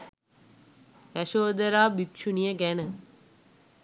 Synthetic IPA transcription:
ʋæʃoːd̪əɾaːbikʃunijəɡænə

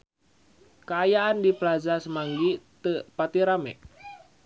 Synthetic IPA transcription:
kaːjaandiplazasəmaŋɡit̪əpat̪iɾamɛ̰ʔ

